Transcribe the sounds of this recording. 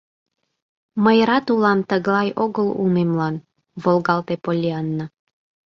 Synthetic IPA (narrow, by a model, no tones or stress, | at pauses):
məjɾɑt̪ulɑnt̪əɣlˠɑjoɣəlṵmemlɑn | volɡɑlˠt̪epolʲiɑnːə